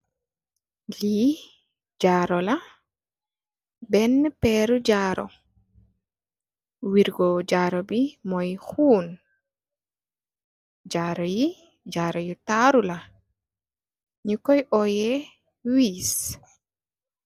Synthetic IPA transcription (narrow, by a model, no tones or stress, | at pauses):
liː | d͡ʒaːɾɔla | bɛnːpɛɾud͡ʒaːɾɔ̰ | wiɾɡɔd͡ʒaːɾɔbimɔjhuːn | d͡ʒaɾɔji | d͡ʒaːɾɔjitaɾula | ɲikɔjʔɔjɛ | wiːs